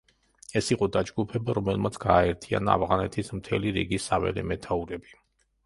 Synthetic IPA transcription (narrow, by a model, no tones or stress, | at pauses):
ɛsiqʼɔd̪ad͡ʒɡupʰɛbaɾɔmɛlˠmat̪sʰɡ̥aːɛɾt̪ʰia̰naa̰vʁanɛt̪ʰismt̪ʰɛliɾḭɡisavɛ̰lɛmɛt̪ʰauɾɛbi